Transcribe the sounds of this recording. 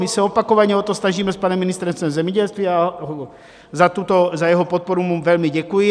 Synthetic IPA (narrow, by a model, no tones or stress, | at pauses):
misɛopakoʋaɲɛot̪osnaʒiːmɛspanɛminist̪ɾɛnst̪ɛmzɛmɲɛɟɛlst̪ʋiaɦɔ | zat̪ut̪ozajɛɦɔpɔt̪̚poɾumumvɛlmiɟɛkujɪ